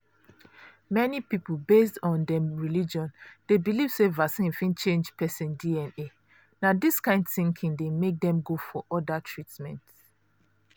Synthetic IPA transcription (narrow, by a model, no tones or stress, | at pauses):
mɛnipipolbes̬tɔ̃ndɛ̃mɹilid͡ʒɔ̃nd̥ebiliv̥sevasĩnfĩnt͡ʃẽnd͡ʒpɛsĩndiɛ̃ne | nadiskãɪ̃ndθĩŋkʰĩŋdemek̚dɛ̃mɡofɔʔɔdatʰɹitmɛ̰̃nt